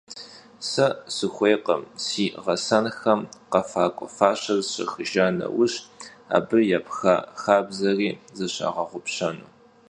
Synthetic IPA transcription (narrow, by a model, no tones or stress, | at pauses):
sɐsɨxʷeːqɐmsiːʁɐsɐnxɐmqɐfaːkʷʼɔfaːɕɐzɕɐ̰xɨʒanɐ̰wʊɕ | a̰ːbɨjapxa̰xaːbzɐriːzɐɕa̰ːʁɐʁʷʊpɕɐnuː